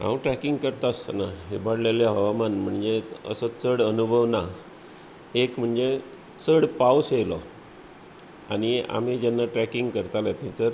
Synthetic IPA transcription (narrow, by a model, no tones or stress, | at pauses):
ã̰wʈɾækiŋɡkəɾt̪ast̪ənaɦebaɽlaljaɦəʋamanm̤əɳd͡zeə̰sət͡səɽənubʱəʋna | ekm̤əɳd͡ze | t͡səɽpauselɔ̰ | a̰nia̰m̤id͡ʑɛnːaʈɾækiŋɡkəɾt̪alat̪ʰĩt͡səɾ